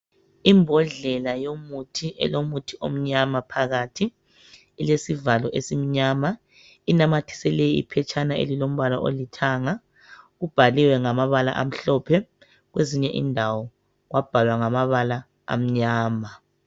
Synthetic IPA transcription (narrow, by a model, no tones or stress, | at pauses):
imbʱɔɮɛlajomutʰiʔɛ̰lomutʰiʔo̰m̩ɲamapʰaɣatʰiː | lesivalɔʔesim̩ɲama | inamatʰi̥sɛlɛjḭpʰɛt͡ʃʰʼanaḛlilom̩βalɔʔolitʰaːŋa | ɣub̥ʱaliwɛŋamaβala̰ʔam̩ɬɔːpʰɛ | ɣweziɲɛʔḭndʱawɔ | ɣwab̥ʱalwaŋamaβala̰ː | m̩ɲaːma